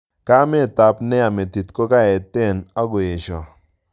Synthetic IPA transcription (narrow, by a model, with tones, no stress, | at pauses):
ka˦mɪ˦˨ta˨pnɛ˦a˨me˨ti˨tko˦ka˦ɛ˨tɪ˦˨na˦ɡo˨je˨ʃɔ˨